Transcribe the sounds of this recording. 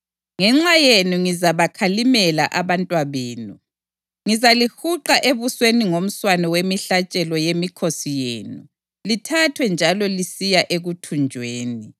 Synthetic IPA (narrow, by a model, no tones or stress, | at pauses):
ŋɛŋ͡ǁajenuŋizaβakʰalimɛla̰ʔaβantʼwaβeːnu | ŋizalihuǃaʔeβusweniŋom̩swanɔwemiɬat͡ʃʼɛlɔjemikʰosijeːnu | litʰatʰwɛnd͡ʒʱalɔlisijaʔeɣutʰund͡ʒʱweːni